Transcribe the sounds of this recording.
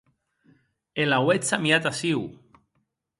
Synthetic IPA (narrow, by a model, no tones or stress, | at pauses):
elawet͡samiat̪asiw